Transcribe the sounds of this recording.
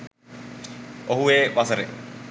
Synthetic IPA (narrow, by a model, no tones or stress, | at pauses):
oɦueːʋasəɾḛ